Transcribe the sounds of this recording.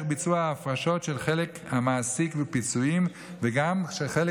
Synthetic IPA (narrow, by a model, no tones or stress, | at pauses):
χbit͡suaaːfʁaʃo̞tʃelχelekhamaːsikvepit͡suim | veɡamʃelχel